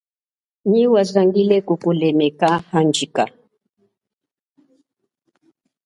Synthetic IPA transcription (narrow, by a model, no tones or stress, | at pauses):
ɲiwazaŋɡilɛkukulɛmɛkahand͡ʒika